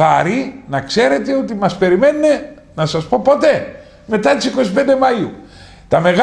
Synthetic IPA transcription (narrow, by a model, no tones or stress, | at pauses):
ɐɾinɐkse̞ɾe̞t̪e̞o̞t̪imɐspe̞ɾime̞nːe̞ | nɐsɐspo̞po̞t̪e̞ | me̞t̪ɐt̪isiko̞sipe̞nd̪e̞mɐiu | t̪ɐme̞ɣ